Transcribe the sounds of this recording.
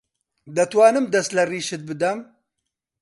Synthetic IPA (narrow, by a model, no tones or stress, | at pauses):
d̪ɐt̪waːnɨmd̪ɐst̪lɐriːʃɨt̪̚bɨd̪ɐm